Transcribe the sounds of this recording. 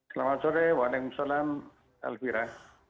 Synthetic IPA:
salamasɔɾɛwalɛkumsalam | a̰lfiɾa

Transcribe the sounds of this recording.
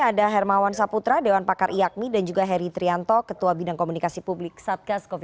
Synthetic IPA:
adaɦɛrmawansaput̪ɾadewanpakarʔijak̚midand͡ʒuɡaɦɛɾit̪ɾiant̪ɔkət̪uabidaŋkomunikasipublɪk̚sat̪̚ɡaskɔf

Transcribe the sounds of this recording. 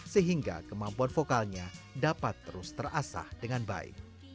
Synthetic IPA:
səɦiŋɡa̰kəmampuanfokalɲadapat̪ːəɾʊst̪ərʔasa̰hdəŋanba̰ɪ̰k̚

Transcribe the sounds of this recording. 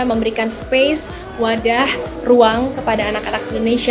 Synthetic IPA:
məmbəɾikanspes | wadah | ruaŋkəpadaːnakanakindonesia

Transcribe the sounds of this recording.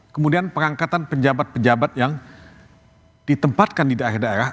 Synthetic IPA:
kəmudianpəɾaŋkat̪anpəɲd͡ʒabat̪̚pəɲd͡ʒabat̪̚jaŋ | d̥it̪əmpat̪̚kandidahɪdaeɾah

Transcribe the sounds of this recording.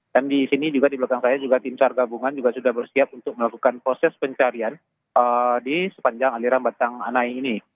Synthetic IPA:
d̥andisinid͡ʒuɡadiblakaŋsajad͡ʒuɡat̪insarɡabuŋand͡ʒuɡasudahbərsiap̚unt̪ʊk̚məlakukanpɾosɛspəɲt͡ʃaɾian | ədisə̥paɲd͡ʒaŋaliɾanbat̪aŋa̰naiːni

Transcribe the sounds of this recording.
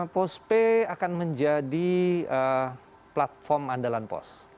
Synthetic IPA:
pɔspeakanməɲd͡ʒadiə | plat̪̚fɔrmandalanpɔ̰s

